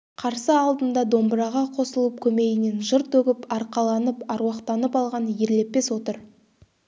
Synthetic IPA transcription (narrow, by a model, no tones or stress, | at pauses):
qʰɑɾsəɑlˠd̪ənd̪ɑd̪o̞mbɾɑʁɑqʰo̞səlˠəp̚kʲʰɵme̞ɡɪne̞nʒəɾt̪ɵɡʲɪpɑɾqɑlˠɑnəpɑɾwɑqt̪ɑnəpɑlˠʁɑnje̞ɾle̞pːe̞swo̞t̪əɾ